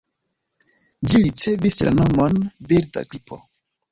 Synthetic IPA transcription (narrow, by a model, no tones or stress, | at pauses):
d͡ʒiɾit͡se̞visla̰no̞monbiɾda̰ɡɾipʰo̞̰